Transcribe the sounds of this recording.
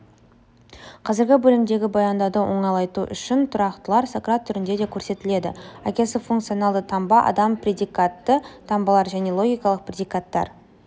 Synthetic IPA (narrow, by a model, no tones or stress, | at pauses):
qʰɑzɪɾɡʲɪbɵlɪmd̪e̞ɡʲɪbojɑnd̪ɑd̪əwo̞̰ɴɑlˠɑjt̪uʔʏ̰ʃɪnt̪ʰʊɾɑqt̪əlˠɑɾsokɾat̪ʰːʏɾɪnd̪e̞d̪e̞kʲʰɵɾse̞t̪ɪle̞d̪ɪ̰ækʲe̞sɪfuŋkt̪sɨio̞nɑlˠd̪ət̪ʰɑmbɑʔɑ̰d̪ɑmprʲe̞d̪ijkat̪ːət̪ʰɑmbɑlˠɑɾʒæne̞lˠo̞ɡʲijkɑlˠəq̚pʰrʲe̞d̪ijkat̪ːɑ̰ɾ